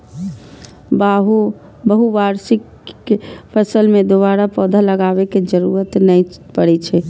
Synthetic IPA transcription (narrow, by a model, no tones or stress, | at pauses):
baɦu | bəɦuʋaɾsɪkː | pʰəsəlmẽd̪oβaːɾapɔːd̪ʱaləɡaːʋeked͡ʒəɾuːɾət̪nəipəɽɛt͡ʃʰɛ